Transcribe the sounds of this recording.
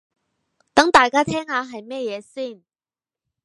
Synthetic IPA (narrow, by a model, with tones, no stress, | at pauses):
t̪ɐ˨˥ŋt̪aː˨˩jkaː˥t̪ʰɛː˥ŋaː˨˧ɦɐ˨jmɛː˥jɛː˨˧siː˥˩n